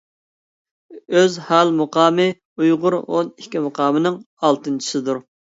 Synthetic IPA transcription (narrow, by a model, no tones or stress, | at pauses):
øzhælmʊqɑːmɨ | ujʁʊɾo̰nikʲːimʊqʰɑːmɨnɨŋ | ɑlˠt̪ɨnt͡ʃʰi̥sɨd̪uɾ